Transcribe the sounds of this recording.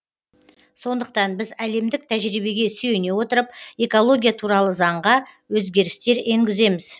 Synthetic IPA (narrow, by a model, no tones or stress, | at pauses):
so̞nd̪əq̚t̪ɑnbɪzæle̞md̪ɪk̚t̪ʰæʒɾijbe̞ɡʲe̞syjene̞wo̞t̪əɾəp̚e̞ko̞lˠo̞ɡʲijat̪ʰuɾɑlˠəzɑɴʁɑ | wɵzɡʲe̞ɾɪst̪e̞ɾe̞ŋɡʲɪze̞mɪz